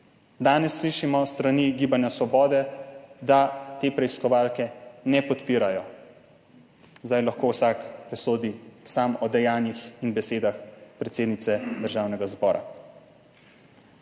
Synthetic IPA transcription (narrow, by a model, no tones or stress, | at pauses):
d̪aːnɛsːliʃimɔst̪ɾaniːɡiːbanjasʋɔbɔːd̪ɛd̪at̪eːpɾɛiskɔʋaːlkɛnɛpɔt̪piːɾajɔ | zd̪ajlaxkoːwsakpɾɛsoːd̪isaːmɔd̪ɛjaːnjixinbɛseːd̪axpɾɛt̪seːd̪nit̪sɛd̪əɾʒaːwnɛɡazbɔːɾʔa̰